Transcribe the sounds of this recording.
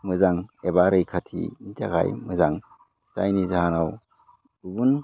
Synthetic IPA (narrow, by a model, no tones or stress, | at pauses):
mɯzaŋebaɾɯjkʰatʰḭnitʰaɡa̰jmɯzaŋ | za̰jnizaɦanaw | dubun